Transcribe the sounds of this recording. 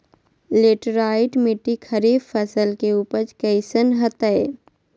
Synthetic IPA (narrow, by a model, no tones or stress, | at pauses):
leːʈɾaːɪʈmɪʈːikʰɐɾiːbfɐsəlkeuːpəɾt͡ʃkɛɪsənɦɐt̪əe